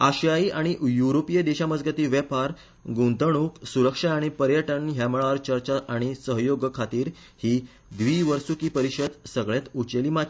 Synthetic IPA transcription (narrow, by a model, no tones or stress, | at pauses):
aɕjaiʔaɽ̃ijuɾopijəd̪eɕaməd͡zɡət̪iːʋjəpaɾ | ɡũnt̪əɳ̃uksuɾəkʂaaɽ̃ipəɾjəʈəɳɦjamɭaɾt͡ɕəɾt͡ɕaʔaɽ̃isəɦjoɡəkʰat̪iːɾ | hiː | d̪ʋiːʋəɾsukiːpəɾiɕəd̪səɡɭjat̪ut͡ɕəlima